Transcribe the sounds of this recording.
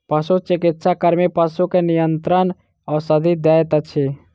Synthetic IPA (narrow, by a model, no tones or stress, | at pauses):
pəsut͡ʃɪkɪt̪sakəɾmipəsukenijənt̪ɾən | ɔːɾsəd̪ʱid̪aːjət̪ət͡ʃʰi